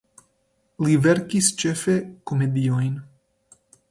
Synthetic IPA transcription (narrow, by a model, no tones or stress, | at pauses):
liveɾkist͡ʃefekomed̪iojn